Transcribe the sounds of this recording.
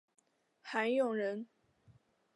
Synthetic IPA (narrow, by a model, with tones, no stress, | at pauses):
xa˧˥njʊ˥˨˩ŋɻə˧˦n